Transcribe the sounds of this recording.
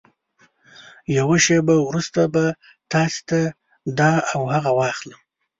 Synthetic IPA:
jawaʃebawɾust̪aba | t̪ɑse̥t̪a | d̪ɑːwhaɣawɑxləm

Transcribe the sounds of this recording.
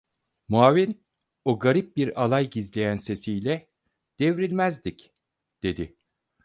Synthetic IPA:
muaːvin | oɡaɾip̚biɾalˠajɟizlʲe̞jænse̞sijlʲɛ | d̪̥e̞vɾilʲmæzd̪ic | d̪̥e̞d̪ɪ

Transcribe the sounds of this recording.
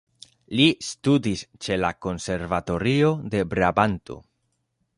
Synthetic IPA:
listudist͡ʃe̞lako̞nse̞ɾvat̪o̞ɾio̞d̪e̞bɾabant̪o̞̰

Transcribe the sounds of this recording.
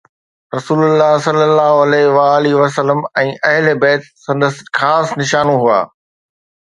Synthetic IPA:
ɾɐsuːlʊlːaːsɐlːəlːaːɦoɐlɛʋaːliʋɐs̬əlːəmɛ̃ːʔɐɦɪlebɛːt̪sɐ̃nd̪əsxaːsnɪʃaːnũɦua̰ː

